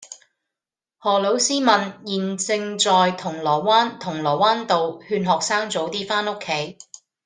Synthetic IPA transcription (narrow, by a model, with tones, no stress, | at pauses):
hɔː˨˩lo˨˥wsiː˥mɐ˨njiː˨nt͡sɪ˧ŋt͡sɔː˨jt̪ʰʊ˨˩ŋlɔː˨˩jwaː˥nt̪ʰʊ˨˩ŋlɔː˨˩waː˥nt̪o˨whyː˧nɦɔː˨k̚saː˥ŋt͡so˨˥wt̪iː˥faː˥nʊ˥kʰːe˨˥j